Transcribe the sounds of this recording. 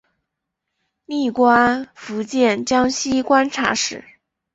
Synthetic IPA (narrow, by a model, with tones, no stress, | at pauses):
ni˥˩kwa˥nfu˧˥t͡ɕjɛ˥˩nt͡ɕjɑ˥ŋɕi˥kwa˥nʈ͡ʂʰa̰˧˥ʂɻ̩˥˨˩